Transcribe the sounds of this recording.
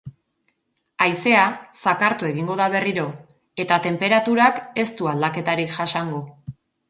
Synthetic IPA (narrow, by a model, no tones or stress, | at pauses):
ajse̞asakaɾt̪ue̞ɣ̞iŋɡo̞ðaβ̞e̞riɾo̞ | e̞t̪at̪e̞mpe̞ɾat̪uɾake̞st̪uald̪ake̞t̪aɾikʝasaŋɡo